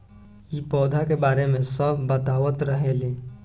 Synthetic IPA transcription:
ipɔːd̪ʱakebaːɾemẽsəbʱbət̪aːʋət̪ɾəɦele

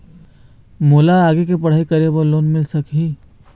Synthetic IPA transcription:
moːlaaːɡek̬epɐɽ̤aːikɐɾeboloːnmɪlsɐkɦiː

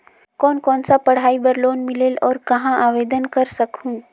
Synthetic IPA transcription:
kɔːnkɔːnsapəɽ̤aːibəɾloːnmɪleːlɔːɾkɐɦãʔaːʋeːd̪ənkəɾsəkʰũ

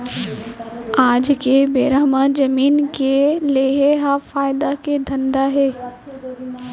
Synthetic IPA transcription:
aːd͡ʒkebeːɾaːmad͡ʒɐmiːnkeleːɦeɦafaːɪd̪aked̪ʱɐ̃nd̪aɦeː

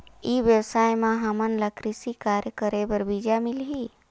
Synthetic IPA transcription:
iʋjəwsajmãɦəmənləkɾisikaɾjəkəɾebəɾbid͡ʒamilɦi

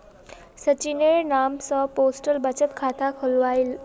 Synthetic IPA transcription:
sət͡ɕineɭnamsɔposʈəlbət͡ɕət̪kʰat̪ʰakʰəlʋajl

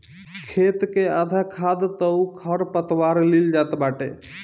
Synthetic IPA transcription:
kʰet̪kead̪ʱakʰad̪t̪əukʰəɾpət̪waɾlild͡ʒat̪baʈḛ

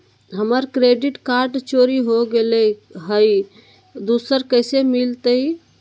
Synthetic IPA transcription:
ɦəməɾkɾeɖiʈkaɾɖt͡ʃoɾiɦoɡeləɦəj | d̪usəɾkəɪsemilt̪əi

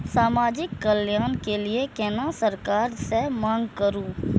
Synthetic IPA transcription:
saːmaːd͡ʒɪkːəljaːnkeliekɛːnasəɾkaːɾsemãːŋɡkəɾuː

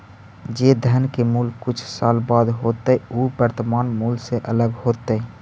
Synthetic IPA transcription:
d͡ʒed̪ʱənkemulkut͡ʃʰsalbad̪ɦot̪əubəɾt̪əmanmulseʔələɡhot̪ə

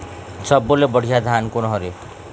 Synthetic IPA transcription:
sʌbːolebʌɽ̤ʱijad̪ʱankonɦʌɾe

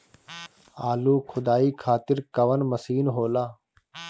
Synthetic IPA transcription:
aːluːkʰʊd̪aːiːkʰaːt̪ɪɾkəʋənməsiːnɦoːlaː

